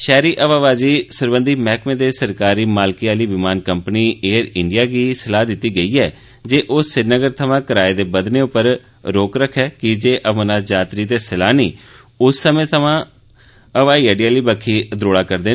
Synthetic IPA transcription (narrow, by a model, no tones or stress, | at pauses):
ʃɛːɾiːʔəʋaːʋaːd͡ʒiːsəɾbənd̪iːmɛːkʰmẽːd̪eːsəɾkaːɾiːmaːlkiːaːliːʋɪmaːnkəmpniːeːɾɪɳɖɪjaːɡiːsəlaːd̪ɪt̪ːiːɡəiːɛː | d͡ʒeːʔoːɪnəɡəɾt̪ʰəʋãːkəɾaːed̪eːbəd̪neːʊpːəɾ | ɾoːkɾəkʰːɛːkɪd͡ʒeːʔəʋənaːd͡ʒaːt̪ɾiːt̪eːsəlaːniː | ʊsːəmẽːt̪ʰəʋãː | əʋaːiːəːɖijaːliːbəkʰːiːd̪ɾoːɽaːkəɾd̪eː